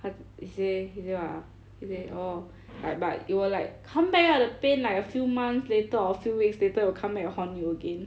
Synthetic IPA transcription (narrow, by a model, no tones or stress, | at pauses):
hathisehisewa | hiseʔo | laɪk̚ba̰tjiwɔlaɪkʰːãmbɛkɔ̃dəpẽnlaɪkəfjumãnsletəɔəfjuwiksletəwikʰãmbɛkpɔ̃njuəɡẽn